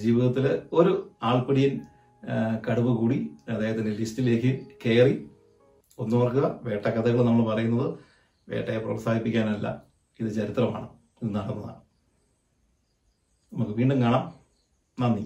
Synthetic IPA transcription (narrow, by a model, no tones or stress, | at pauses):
d͡ʑiːʋiðɐt̪ːilo̞ɾuaːɭpɐɽijɐn | kɐɽuʋɨkuːɽiɐd̪ːeːɣɐtðindelistile̞ːkːɨke̞ːri | o̞nːuʋɐrkɨɐʋe̞ːʈːɐkɐt̪ʰɐɣɐɭnɐmːɐɭpɐrɐjunːɐðɨ | ʋe̞̰ːʈːɐjepro̰saːd̪ipːikʲːaːnɐlːɐ̰ | iðɨt͡ɕɐɾit̪rɐma̰ːɳɨ | iðɨnɐɽɐnːɐða̰ːɳɨ | nɐmukːɨʋiːɳɖumkɐɳɐm | nɐnːi